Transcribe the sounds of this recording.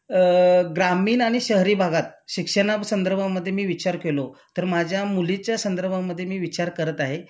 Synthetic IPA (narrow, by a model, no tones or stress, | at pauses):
ɡɾamiːnaɽ̃iɕəɦɾiːbʱaɡat̪̚ɕikʂəɳ̃aʋsənd̪əɾbʱaməd̪ʱːjemiːʋit͡ɕaɾkelot̪əɾmad͡ʑʱjamulit͡ɕjasənd̪əɾbʱaməd̪ʱːjemiːʋit͡ɕaɾkəɾət̪aɦe